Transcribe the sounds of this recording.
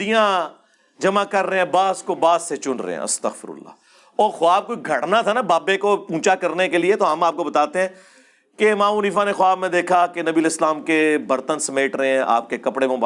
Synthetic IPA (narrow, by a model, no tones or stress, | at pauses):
d̪ijã | d͡ʒɐmãkɐɾːeɛ̃baːskobaːzset͡ʃʊnɾḛɦɛ̰̃ɐ̰st̪əɣfɪ̰ɾʊ̰lːa̰ː | ɔːɾxʊaːb̚koiɡʱɐʈnat̪ʰanabaːbekopũːt͡ʃakɐɾnekeliet̪oɦɐmaːp̚kobɐt̪aːt̪eɦɛ̃ː | kemãːʊniːfanexʊaːbmẽd̪eːkʰakenɐbiəleːslaːmkebəɾt̪ənsɐmeːʈɾəɦɛ̃ʔa̰ːp̚kekɐpɽemõːb